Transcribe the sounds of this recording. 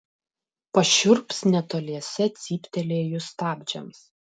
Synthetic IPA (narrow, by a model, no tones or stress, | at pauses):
pɐʃʲʊɾpsnʲɛt̪oːlʲiɛsʲɛt̪sʲiːpʲt̪ʲɛlʲeːjʊst̪ɑːbʲd͡ʒʲɛms